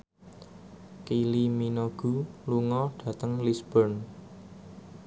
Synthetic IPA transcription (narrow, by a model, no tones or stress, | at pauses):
kiliminoɡ̥ṳluŋɔɖ̥ä̤t̪əŋlisb̥ɔrn